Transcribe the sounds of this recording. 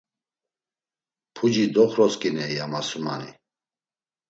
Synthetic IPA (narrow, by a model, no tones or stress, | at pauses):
pʰud͡ʒid̪ɔχɾɔskʼinɛjamasuma̰ni